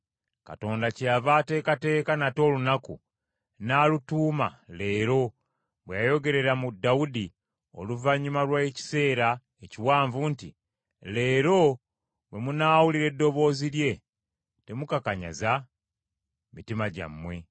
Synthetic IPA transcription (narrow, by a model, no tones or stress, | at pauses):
ka̰to̞ːndacjavaːte̞ːkate̞ːkanato̞ːlunaku | naːlutuːma̰le̞ːɾo̞ | βwejajo̞ɡe̞ɾe̞ɾamudaudi | o̞̰luvaɲːumalwaeci̥se̞ːɾa | eciwaːɱvuntḭ | le̞ːɾo̞ | we̞munaːwuliɾe̞dːo̞βo̞ːziɾje̞ | te̞mukakaɲa̰za | mitimaɟa̰mːwe̞